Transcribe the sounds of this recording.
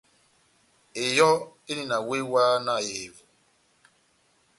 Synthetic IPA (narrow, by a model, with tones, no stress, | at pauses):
e˨jɔ˦e˦ni˨na˨we˦waː˦na˨e˨vu˨